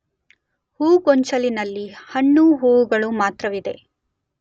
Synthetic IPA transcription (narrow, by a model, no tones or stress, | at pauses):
huːɡɔɲt͡ʃɐlinɐlːihɐɳːuɦuːwuɡɐɭumaːt̪ɾɐʋid̪e̞̰